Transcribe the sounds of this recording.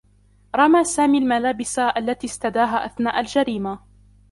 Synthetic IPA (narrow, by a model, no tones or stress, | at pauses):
ɾˤɑmaːsaːmiːalmalaːbɪsaʔalːat̪iːst̪ad̪aːɦaːʔaθnaːʔald͡ʒaɾiːma